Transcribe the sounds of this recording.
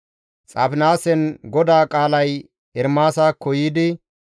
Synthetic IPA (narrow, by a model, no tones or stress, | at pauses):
t͡sʼapɪnaːsɛnɡɔd̪aːkʼaːlɐj | ɛɾmaːsaːkɔjiːd̪ɪ